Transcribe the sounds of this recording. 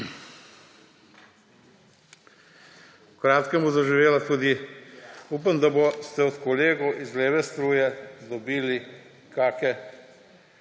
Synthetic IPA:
ukɾaːt̪kɛmuzaʒiʋeːlat̪uːd̪i | uːpamd̪abost̪ɛɔt̪kɔleːɡɔwʔizleːʋɛst̪ɾuːjɛd̪ɔbiːli | kaːkɛ

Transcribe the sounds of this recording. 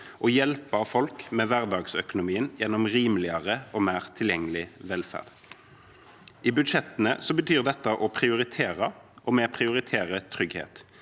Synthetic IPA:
ʔɔjɛlpɑfɔlkmeːʋæʁd̪ɑːɡsœkʊnʊmiːənjɛnːɔmʁiːmlɪɑʁəɔːmæːʁt̪ʰɪljɛŋːəlɪʋɛlfæ̰ʁd̪̥ | ʔiːbʉd̪ʃɛt̪ənəsɔbət̪ʰyːʁd̪ɛt̪ːəʔɔpʰʁɪʊʁɪt̪ʰeːʁə | ʔɔːmeːpʰʁɪʊʁɪt̪ʰeːʁət̪ʰʁʏɡhḛːt̪

